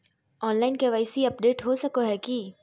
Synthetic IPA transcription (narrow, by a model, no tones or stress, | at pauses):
ɔːnlaːɪnkeʋaːɪsiɐp̚ɖeːʈɦosɐkoɦɛːki